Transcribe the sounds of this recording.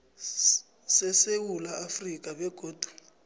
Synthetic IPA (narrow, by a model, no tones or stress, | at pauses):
sɛsewulaafrikʼaβɛɡ̥ʱoːd̥ʱu̥